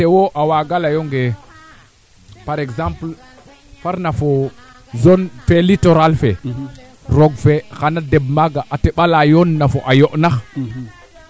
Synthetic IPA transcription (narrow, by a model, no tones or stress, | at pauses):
tewoʔawaɡalajoŋɡe | paɾeɡzãmpl | faɾnafo | zonfelitoɾalfe | ɾoɡfexanadebmaɡaʔateɓalajonːafoʔajoʔnax